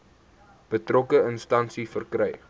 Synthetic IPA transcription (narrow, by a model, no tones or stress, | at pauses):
b̥ətrɔkəənstɐnsifərkrɛj